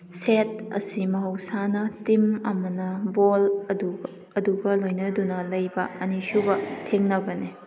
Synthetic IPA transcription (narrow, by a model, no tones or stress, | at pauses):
set̚ɐ̰simɐɦɐwsanɐtimɐmɐnɐbolɐdu | ɐduɡɐlojnɐdunɐlɐjbɐʔɐnisubɐtʰeŋnɐbɐne